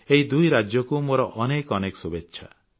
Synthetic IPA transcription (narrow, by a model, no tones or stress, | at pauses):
eɦid̪ujɾad͡ʒjɔkumoɾɔʔɔnekɔnekɔ̥subetːʃʰa̰